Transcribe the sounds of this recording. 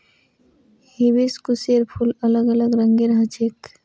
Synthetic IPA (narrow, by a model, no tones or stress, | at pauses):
hibiskuseɾpʰulələɡələɡɾəŋɡeɾəɦət͡ʃʰek